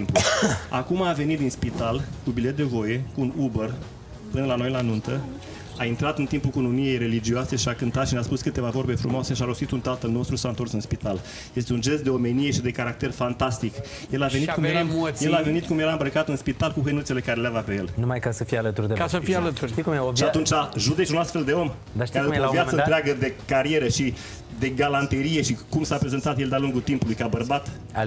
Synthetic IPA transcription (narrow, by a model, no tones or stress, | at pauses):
mpuakumaːve̞nit̪̚d̪inspit̪alkubilet̪̚d̪e̞vo̞je̞kuːnubər | pɨnəlano̞jlanunt̪ə | aint̪ɾat̪ɨnt̪impukunomie̞jɾe̞lid͡ʒioase̞ʃiakɨnt̪at̪ʃinaspuskɨt̪e̞vavo̞rbe̞fɾumoase̞ʃiaɾo̞st̪it̪unt̪alt̪əlno̞st̪ɾuisaɨnt̪o̞rsɨnspit̪al | je̞s̬t̪eund͡ʒe̞st̪̚d̪e̞o̞menije̞ʃid̪e̞kaɾak̚t̪e̞rfant̪ast̪ik | je̞lavenit̪kumjeɾaje̞lave̞nit̪̚kumjeɾaɨmbɾəkat̪ɨnspit̪alkuɦənut̪sele̞kaɾeleavape̞jelnumajkasəfijalət̪uɾrd̪esəfialət̪uʃikmʃiat̪unt͡ʃaʒud̪e̞t͡ʃunast̪fe̞ld̪e̞o̞m | d̪aʃaevijat̪əɨt̪eaɡəd̪e̞kaɾije̞ɾəʃi | d̪e̞ɡalant̪eɾije̞ʃikumsapɾe̞ze̞nt̪at̪je̞ld̪ealuŋɡut̪impulujkabərbat̪